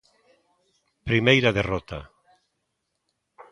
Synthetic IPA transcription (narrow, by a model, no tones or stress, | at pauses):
pɾimejɾaðerɔt̪a̰